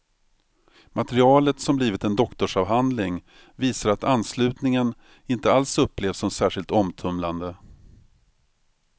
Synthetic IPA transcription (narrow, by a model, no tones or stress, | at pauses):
mʔat̪əɾɪɑːlət̪sɔmbliːvɪt̪ɛnd̪ɔkt̪ɔʂɑːvɦand̪lɪŋ | viːsaɾat̪anːslʉ̟ːt̪nɪŋən | ɪnt̪əalsɵpːleːvsɔmsæːʂɪlt̪ɔmt̪ʰɵmland̪ə